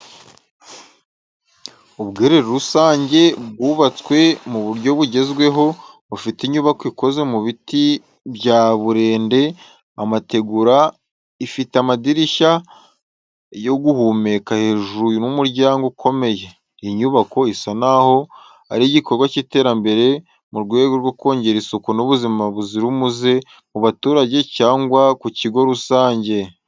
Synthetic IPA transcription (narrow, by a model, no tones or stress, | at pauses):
uβɡeɾe̞ɾoɾusaːɲɟe̞bɡuːβat͡swe̞muβuɾɟo̞βuɟe̞zɡwe̞ɦo̞ | βufitiɲuβakoiko̞ze̞muβiti | bɟaβuɾe̞ːnde̞ | amate̞ɡuɾa | ifiteamadiɾiʃa | jo̞ɡuhuːme̞kahe̞ːʒunumuɾɟaːŋɡukʰo̞me̞je̞ | iɲuβako̞isanaho̞ | a̰ɾiɟiko̞ɾɡwaciːte̞ːɾambe̞ɾe̞ | muɾɡweːɡoɾɡwoko̞ːɲɟe̞ɾisokunoβuzimaβuziɾumuze̞ | muβatuːɾaɟe̞caːŋɡwakuciɡo̞ɾusaːɲɟe̞